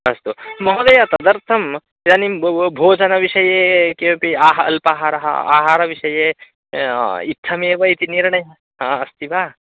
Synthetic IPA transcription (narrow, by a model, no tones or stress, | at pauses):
ɐst̪umɐɦod̪ɐjat̪ɐd̪ɐɾt̪ʰɐm | janibʱoːd͡ʒɐnɐʋiʃɐjekepiaːɦɐ̰lpaːɦaɾɐɦa̰a̰ːɦaːɾɐʋiʃɐje | it̪ʰːɐmebɐjt̪iniɾɳɐj | ɦaɐst̪ibaː